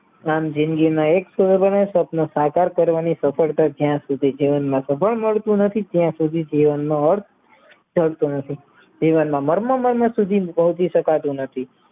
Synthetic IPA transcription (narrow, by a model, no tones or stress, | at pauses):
amd͡ʒĩnɡinãeksubənesəpnosakaɾkəɾʋanisəpʰəɭt̪ad͡ʒjãsud̪ʱid͡ʒiʋənmãsəpəɭməɭt̪ũnət̪ʰit̪jãsud̪ʱid͡ʒiʋənmãəɾt̪ʰ | d͡ʒʱəɽt̪ũnət̪ʰi | d͡ʒiʋənmãməɾmə̃məɾmə̃sud̪ʱipəɦut͡ʃiʃəkat̪ũnət̪ʰi